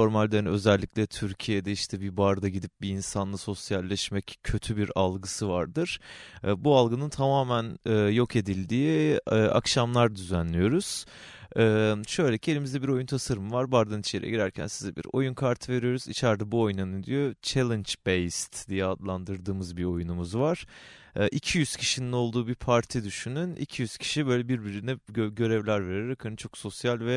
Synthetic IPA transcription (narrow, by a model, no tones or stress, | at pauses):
o̞ɾmalʲd̪enø̞zɛlʲːicʲlʲɛt̪ʰyɾcʰijed̪ɛiʃt̪ʰɛbibaɾd̪aɟid̪ip̚biinsanlˠɯso̞sjalʲːɛʃmɛcʰːø̞t̪ʰybiɾalˠɡɯsɯvaɾd̪ɯɾ̥bualˠɡɯnɯnt̪ʰamaːmænɛːjo̞kʰe̞d̪ilʲd̪iːa̰kʃamlˠaɾd̪yzænlʲijo̞ɾuz̥ | ɛːʃø̞jlʲecʰielʲimizd̪ɛbiɾo̞junt̪ʰasaɾɯmɯvaɾbaɾd̪anit͡ʃʰeɾɛ̰ɟiɾæɾcʰæ̰nsizɛbḭɾo̞̰junkʰaɾt̪ʰɯve̞ɾijo̞ɾuzḭt͡ʃʰæɾd̪ɛbuo̞jnanɯnd̪ijo̞t͡ʃʰelʲˠɛnt͡ʃbejst̪d̪ijɛad̪lˠand̪ɯɾd̪ɯːmɯzbiɾo̞junumuzvaɾ̥ | ʔicʰijyz̥cʰi̥ʃinino̞lˠd̪uːbiɾpʰaɾt̪ʰid̪yʃynynḭcʰijyz̥cʰi̥ʃibø̞jlʲɛbiɾbiɾinɛɟø̞ɾɛvlʲæɾve̞ɾeɾakʰaɾnɯt͡ʃʰo̞kso̞sjalʲvɛ